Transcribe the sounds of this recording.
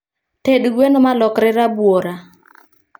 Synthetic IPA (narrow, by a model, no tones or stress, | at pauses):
tedɡwenomalɔkɾɪɾabwoɾa